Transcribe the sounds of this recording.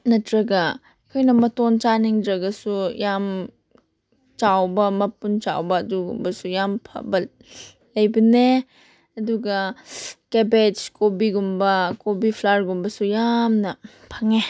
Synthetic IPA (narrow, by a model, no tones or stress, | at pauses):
nɐtɾɐɡɐ | ɐkʰojnɐmɐtont͡ʃaniŋdɾɐɡɐsujam | t͡ʃawbɐmɐpunt͡ʃa̰wbɐːduɡṵmbɐsujampʰɐ̰bɐ | lɐjbɐne | ɐduɡɐkebed͡ʒkobiɡumbɐkobipʰlaɾɡumbɐsujamnɐ | pʰaŋe